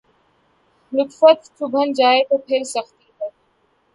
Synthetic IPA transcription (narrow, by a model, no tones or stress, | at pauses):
ɾʊkfət̪̚t͡ʃʰʊbʱənd͡ʒaːet̪opʰɪɾsɐxt̪iɦɛ